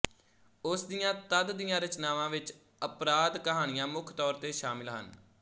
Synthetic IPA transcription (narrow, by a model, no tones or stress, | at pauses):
ʊsd̪ɪjãːt̪əd̪d̪ijãːɾət͡ʃnaːʋãːʋɪt͡ʃ | əpɾaːd̪kəɦaːɽ̃ɪjãːmʊkʰt̪ɔːɾt̪eːʃaːmɪlɦə̰n